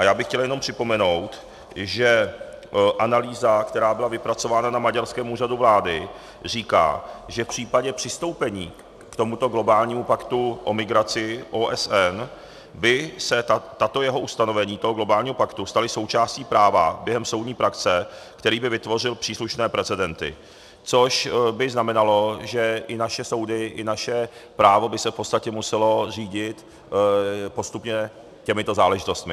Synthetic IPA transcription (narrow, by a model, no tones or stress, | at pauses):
ʔajaːbɪxcɛljɛno̞mpr̝̥ɪpo̞mɛno̞wt̪ | ʒɛ | ʔanaliːzakt̪ɛɾaːbɪlavɪpɾat͡so̞vaːnanamaɟaɾskɛːmuːraduvlaːdɪ | r̝iːka̰ːʒɛfpr̝̥iːpaɟɛpr̝̥ɪst̪o̞wpɛɲiː | kt̪o̞mut̪o̞ɡlo̞baːlɲiːmupakt̪uʔo̞mɪɡɾat͡sɪʔoːʔɛsɛn | bɪsɛt̪at̪ojɛɦo̞ʔust̪ano̞vɛɲiːt̪oɦoɡlo̞baːlɲiːɦo̞pakt̪ust̪alɪso̞wt͡ʃaːsciːpɾaːva̰bjɛɦɛmso̞wdɲiːpɾakt͡sɛkt̪ɛɾiːbɪvɪt̪vo̞r̝ɪlpr̥iːsluʃnɛːpɾɛt͡sɛdɛnt̪ɪ̰ | t͡so̞ʃbɪznamɛnalo̞ʒɛʔɪnaʃɛso̞wdɪʔɪnaʃɛpɾaːvo̞bɪsɛfpot͡sst̪acɛmusɛlo̞r̝iːɟɪt̪ | po̞st̪upɲɛ | cɛmɪt̪o̞zaːlɛʒɪt̪o̞st̪mɪ